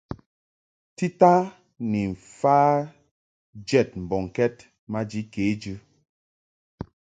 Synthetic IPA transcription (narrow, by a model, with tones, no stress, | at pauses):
ti˦ta˦ | ni˨ɱ̩˨faː˦ | d͡ʒɛ˦˨t̚m̩˨bɔ˨ŋ˨kɛ˦t | ma˦d͡ʒi˦keː˨˦d͡ʒʉ˦